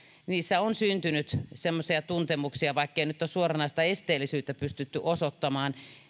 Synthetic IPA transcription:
niːsːæonsynt̪ynyt̪semːosiɑt̪unt̪emuksiɑʋɑˑikːeinyt̪ːosuorɑnɑst̪æest̪eːlːisyːt̪ːæpyst̪yt̪ːyʔosot̪ːɑmɑːn

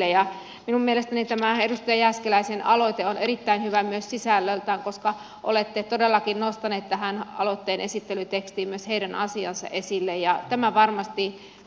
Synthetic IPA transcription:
ejɑ | minummielest̪ænit̪æmæedust̪ɑjɑjæskelæisenɑlot̪eonerit̪ːæinhyʋæmyøssisælːølt̪æːŋkoskɑ | ʔo̰let̪ːet̪odelːɑkinnost̪ɑneːt̪t̪æɦænɑ̰lot̪ːeːnʔesit̪ːelyt̪ekst̪iːmmyøsheidænɑ̰siɑnsɑ̰ʔesilːejjɑt̪æmæʋɑrmɑst̪i

